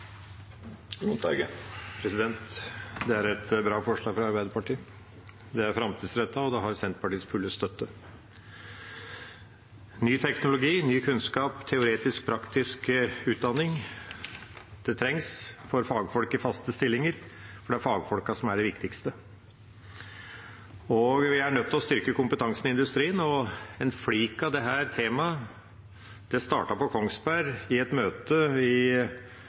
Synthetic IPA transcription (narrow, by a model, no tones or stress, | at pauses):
ʊɑ̰ɡəpʰɾɛsɪd̪ɛnt̪d̪ɛæɾɛt̪bɾɑːfɔʂɭɑːɡfɾɑɑɾbæɪd̪əɾpɑʈiː | d̪ɛæɾfɾɑmt̪ʰiːd̪sɾɛt̪ːɑɔd̪ɛɦɑɾsɛnt̪pʰɑʈiːsfʉlːəst̪œt̪ːə | nyːt̪ʰɛknʊlʊɡiːnyːkʰʉnskɑːpt̪ʰɛʊɾeːt̪ɪsk̚pʰɾɑkt̪ɪskʉːt̪̚d̪ɑnːɪŋ | d̪̥ɛt̪ʰɾɛŋsfɔɾfɑːɡfɔlkɪfɑst̪əst̪ɪlːɪŋəɾfɔɖɛæɾfɑːɡfɔlkɑsɔmæɖɛʋɪkt̪ɪkst̪ə | ɔɡʋɪæɳœt̪ʰːlɔst̪ʏɾkəkʊmpət̪ʰɑŋsənɪɪnd̪ʉst̪ɾiːənɔɛnfliːkɑʋd̪ɛɦæːɾt̪ʰeːmɑ | d̪̥ɛst̪ɑ̰ːʈɑpɔkʰɔŋsbæɾɪɛt̪møːt̪əɪ